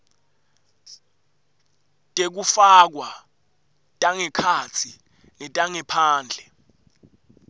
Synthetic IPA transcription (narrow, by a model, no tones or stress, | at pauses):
tʼek̬ufak̬wa | tʼaŋɛkʰat͡sʰi | nɛtʼaŋɛpʰaːnd͡ɮʱɛ